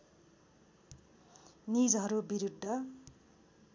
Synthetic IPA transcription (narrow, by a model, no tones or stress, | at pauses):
nid͡zɦʌɾubiɾud̪ʱːʌ